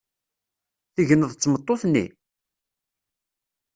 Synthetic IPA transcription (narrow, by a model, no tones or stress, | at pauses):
θiʝənəðˤt͡sːmət̪ˤːoθnːḭ